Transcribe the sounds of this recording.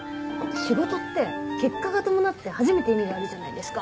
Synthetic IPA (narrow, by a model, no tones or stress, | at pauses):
nãŋkaɕiɡo̞t̪o̞t̪ːe̞ke̞kːaɡat̪o̞mo̞nat̪ːe̞haʑime̞t̪e̞imʲid̪eaɾɯ̟ʑanaid̪e̞sɨ̥ka